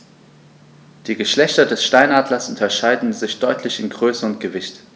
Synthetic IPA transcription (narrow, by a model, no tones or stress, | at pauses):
d̥iːɡəʃlɛçtɐdɛsʃtaɪnaːdlɐsʊntɐʃaɪdn̩zɪçd̥ɔʏtʰlɪçɪnɡʁøːsəʊntɡ̥əvɪçt